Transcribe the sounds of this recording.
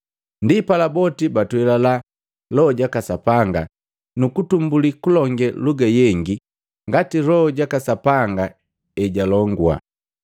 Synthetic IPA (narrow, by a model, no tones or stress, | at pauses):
ndipalabɔtibatwɛlala | lɔɔɟakasapaŋɡa | nukutumbulikulɔŋɡɛluɡajɛŋɡi | ŋɡatilɔɔɟakasapaŋɡa | ɛɟalɔŋɡwa̰